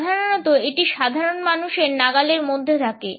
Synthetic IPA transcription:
d̪ʱaɾonɔt̪oeʈiʃad̪ʱaɾonmanuʃeɾnaɡaleɾmod̪ʱːeɾʰake

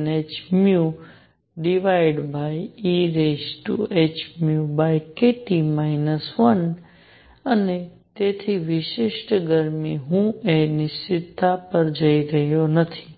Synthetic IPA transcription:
net͡ʃmju | ɖiʋaiɖbʱaiiɾesʈṵʔet͡ʃmjubajkeʈimainəsʋən | əne | t̪et̪ʰiʋɪʃɪʃʈɡəɾmiɦũenisɪd̪ʱapəɾd͡ʒəiɾəɦjonət̪ʰi̥

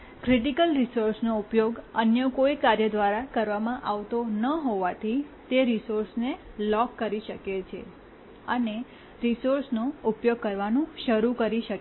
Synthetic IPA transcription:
kɾiʈikəlɾisoɾsnoupjoɡənjəkoikaɾjəd̪ʋaɾakəɾʋamãʔaʋt̪onəɦoʋat̪ʰit̪eɾisoɾsnelɔkːəɾiʃəket͡ʃʰḛ | əne | ɾisoɾsnoupjoɡ̚kəɾʋanũʃəɾukəɾiʃək

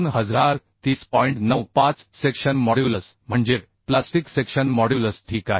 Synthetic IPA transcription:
nɦəd͡zɾaɾ | t̪iːspɔjiɳʈnəwpãt͡ssekɕənmɔɽjuləsm̤əɳd͡ʑe | plasʈiksekɕənmɔɽjuləsʈʰiːka̰ɦe

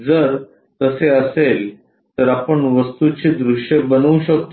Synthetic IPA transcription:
d͡zəɾ | t̪əseəsel | t̪əɾapəɳʋəst̪ut͡ɕid̪ɾuʂjebənəɕək̚t̪

